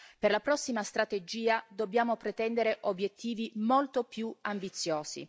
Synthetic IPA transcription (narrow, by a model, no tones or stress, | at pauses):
perlapɾɔsːimast̪ɾat̪ed͡ʒiːad̪obːjaːmopɾet̪ɛnd̪eɾeʔobjet̪ʰːiːvimolt̪opjuambit̪sːjoːz̥ḭ